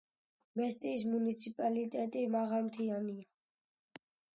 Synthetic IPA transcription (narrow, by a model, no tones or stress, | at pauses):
mɛst̪ʼiːs̬munit̪sʰipʼalit̪ʼɛt̪ʼimaʁalmt̪ʰiania